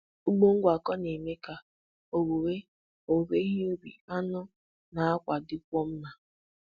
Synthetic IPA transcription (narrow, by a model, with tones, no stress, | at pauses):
u˦ɡ͡bo˦ŋ̩˦ɡʷa˨kɔ˦ne˨me˦ka˨ | o˨wu˨we˦ | o˨be˦ɦi˦u˦bḭ˨a˦nʊ˦ | na˨a˦kʷa˨dɪ˦kʷɔ˦m̩˦na˨